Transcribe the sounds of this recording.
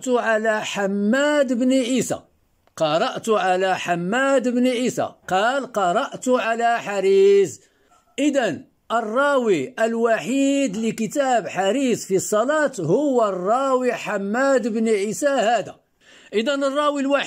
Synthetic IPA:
t̪ʊʕalæħamːæd̪bniʕisæ̰ | qɑɾˤɑʔt̪ʕalæħamːæd̪bniʕisæ̰qɑlqɑɾˤɑʔt̪ʊʕalæħaɾiz | ʔəd̪æn | ʔərˤːɑwiəlwaħid̪likət̪æbħaɾizfisˤːɑlɑt̪hʊwːərˤːɑwiħamːæd̪əbniʕisæhæd̪æ̰ | ʔəd̪ænərˤːɑwilwa

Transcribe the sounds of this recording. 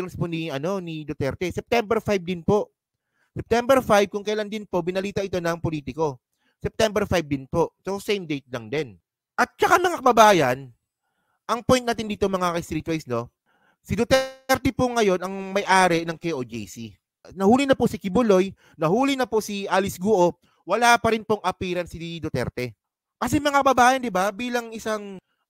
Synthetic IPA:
ɾsponiɐno̞nid̪ot̪ɛɾt̪ɛsɛp̚t̪ɛmbɛɾfajb̚d̪ɪnpo̞ʔ | sɛp̚t̪ɛmbɛɾfajb̚kʊŋkɐjland̪ɪnpo̞ʔbɪnɐliːt̪ɐʔɪt̪o̞nɐŋpo̞liːt̪ɪko̞ | sɛp̚t̪ɛmbɛɾfajb̚d̪ɪnpo̞ʔsosɛjmd̪ejt̪̚lɐŋd̪ɛn | ʔɐt̪̚t͡ʃɐkamɐŋakɐbɐbaːjɐn | ʔɐŋpojn̚naːt̪ɪnd̪iːt̪omɐŋakɐjst̪ɾiːt̪wajsno̞ | sɪd̪ot̪ɛɾt̪ɛpoŋɐjo̞nʔɐŋmɐjʔaːɾɛnɐŋkɛjʔod͡ʒɛ̰jsi | nɐhuːlɪnɐpoʔsɪkɪbʊlo̞j | nɐhuːlɪnɐposiʔaːlɪsɡuʔo̞ | wɐlaːpɐɾɪnpoŋɐpiːɾɐnsid̪ot̪ɛ̰ɾt̪ɛ | kɐs̬ɛmɐŋakɐbɐbaːjɐnd̪ɪbabiːlɐŋʔɪsaŋ

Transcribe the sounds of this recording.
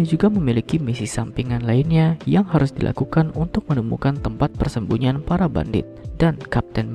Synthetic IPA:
d͡ʒuɡaməmilikimisisampiŋanlainɲajaŋɦaɾʊsdilʔa̰kukanunt̪ʊk̚mənəmṵkant̪əmpat̪̚pərsəmbuɲianpaɾaba̰ndɪ̰t̪̚d̥ankap̚t̪ɛn

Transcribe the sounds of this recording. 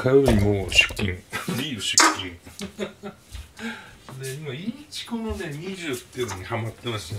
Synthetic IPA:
kʰajoɾʲimoːɕɨ̥kʲːĩŋɾijoɕɨ̥kʲːĩŋ | d̪e̞imait͡ɕi̥ko̞nod̪e̞ɲ̟iʑɨːt̪ːeɯnoɲ̟ihamat̪ːemaɕi

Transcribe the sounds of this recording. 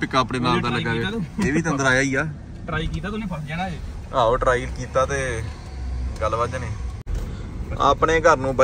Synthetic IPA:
pɪkːaːpɽeːmaːd̪ãːləɡaeeːʋiːt̪ənd̪əɾaːjaːiːaː | ʈɾaːikiːt̪aːt̪ʊnẽːpʰəd͡ʒɛːnae | ɦãːoːʈɾaːilkiːt̪aːt̪eː | ɡəlʋəːd͡ʒneː | a̰ːpɳeːɡʱəɾnũːbə

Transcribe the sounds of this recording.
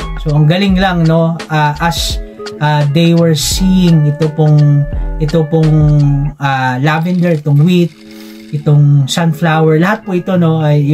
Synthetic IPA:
soʔɐŋɡɐlɪŋlɐŋno̞ʔaʔɐs | ʔad̪ejwɛɹsijɪŋɪt̪opoŋʔɪt̪opoŋŋalavɛnd̪ɛɹɪt̪oŋwit̪̚ | ʔɪt̪o̞ŋsanflawɛɹlɐhat̪̚poɪt̪o̞no̞ɐj

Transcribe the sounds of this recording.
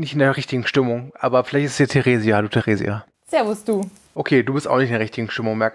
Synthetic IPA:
nɪçtɪndeɐʁɪçtɪɡŋ̩ʃtɪmʊŋʔa̰ːbɐfɪlaɪçtɪsd̥iːɐtʰeʁeːzialuːtʰeʁeːzḭa̰ | z̥eːɐvʊsd̥uː | ʔokʰeːduːbɪstʔaʊxnɪçtɪndɛɐʁɪçtɪɡŋ̩ʃtɪmʊŋmɛɐk

